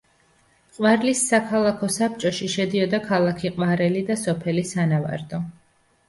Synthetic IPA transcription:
qʼwaɾlisːakʰalˠakʰɔsap̚t͡ʃʼɔʃiʃɛd̪iɔd̪akʰalˠakʰiqʼwaɾɛlid̪asɔpʰɛlisanava̰ɾd̪ɔ

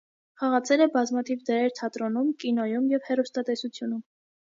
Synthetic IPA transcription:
χɑʁɑt͡sʰɛɾɛbɑzmɑt̪ʰivd̪əɾɛɾt̪ʰɑt̪ɾɔnumkinɔjumjɛvhɛrust̪ɑt̪ɛsut͡sʰjunum

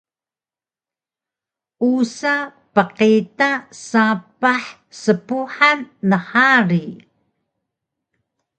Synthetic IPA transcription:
ʔusapəqitasapaħ | səpuħanːəħaɾi

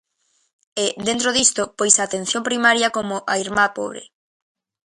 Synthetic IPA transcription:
ɛðent̪ɾoðist̪ʊpojsaːt̪en̟θjompɾimaɾjɐkomʊʔaiɾmapo̰βɾḛ

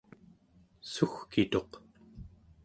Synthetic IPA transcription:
suxkit̪o̞q

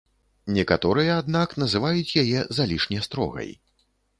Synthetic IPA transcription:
nʲɛkat̪ɔɾɨjɐːd̪nakn̪ɐzɨvajut͡sʲjajɛzalʲiʂnʲɛst̪ɾɔ̰ɣɐ̰j

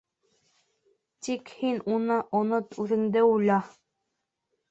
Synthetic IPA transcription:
t̪ikhinunɤʔonɤt̪ʉðɘ̆ŋd̪ɘujlʲɑ

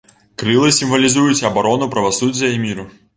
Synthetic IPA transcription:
kɾɨlˠɨsʲimvɐlʲizujut͡sʲɐbaɾɔnupɾɐvasud͡zʲːjɐimʲiɾu

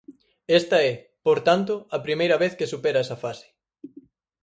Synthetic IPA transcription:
est̪ɐɛ | poɾt̪ant̪ʊɐpɾimejɾɐβeθkesupeɾɐɛsɐfasɪ̥

